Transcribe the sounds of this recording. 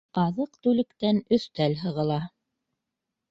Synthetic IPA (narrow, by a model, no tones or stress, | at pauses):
ɑðɤqt̪ʉlɘ̆kt̪ænɵ̆θt̪ælɦɤ̆ʁɤ̆lˠɑ